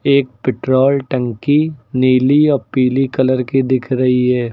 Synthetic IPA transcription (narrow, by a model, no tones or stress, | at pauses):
eːk̚pɪʈɾoːlʈɐ̃ŋkiniːliɔːɾpiːlikɐləɾkid̪ɪkʰɾɐɦiɦɛː